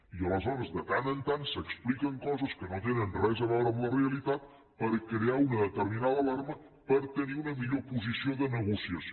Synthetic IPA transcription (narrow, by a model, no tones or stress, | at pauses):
iələzɔɾəzðət̪anənt̪ansəksplikəŋkɔzəskənot̪enənrɛzəβɔoɾəmləreəlit̪at̪̚ | pəɾkɾeaunəðət̪əɾminaðəːlaɾmə | pəɾt̪əniunəmiʎopuzisioðənəɣusiəs